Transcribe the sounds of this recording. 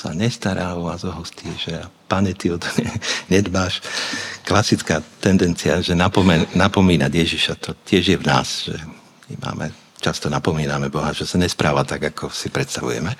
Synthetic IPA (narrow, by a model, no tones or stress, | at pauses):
sa̰ɲɛst̪aɾaːɔʋazɔɦɔsciɛʒɛapaɲɛt̪iɔt̪ɛɲɛd̪maːʃklasit͡skaːt̪ɛnd̪ɛnt͡siaʒɛnapɔmɛnapɔmiːnaɟjɛʒiʃat̪ɔcɪɛʒjɛʋna̰ːsʒ̥ɛ̰ | ima̰ːmʔɛ̰ | t͡ʃast̪ɔnapɔmiːnamɛbɔɦaʒɛsaɲɛspɾaːʋat̪aɡakʰɔsipɾɛt̪st̪aʋṵjɛ̰mɛ